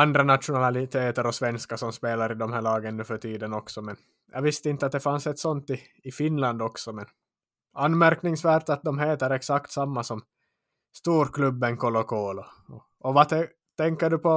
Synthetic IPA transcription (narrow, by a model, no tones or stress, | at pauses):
and̪ɾanat̪ʂʊnalɪt̪ʰeːt̪əɾɔsvɛnskasɔmspeːlaɾɪd̪ɔmhæːɭɑːɡənnːʉfœʈiːd̪ənɔksɔmɛn | jʔɑ̰ɡvɪst̪əɪnt̪əat̪̚d̪ɛfansɛt̪sɔnt̪ɪː | fɪnland̪ɔksɔmɛn | anːmæɾknɪŋsvæːʈ̪at̪̚d̪ɔmɦeːt̪əɾɛksakt̪samːasɔm | st̪uːɾklɵbːənkʰɔlɔkʰoːlɔ | ɔ | ɔvat̪ɛ | t̪ʰɛŋkːəɖɵpʰɔ